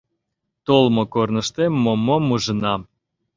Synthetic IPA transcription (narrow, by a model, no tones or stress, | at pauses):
t̪olmokornə̆ʃt̪emomomuʒə̆nɑ